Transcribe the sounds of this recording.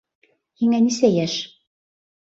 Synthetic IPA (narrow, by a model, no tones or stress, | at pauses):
hiŋænisæjæʃ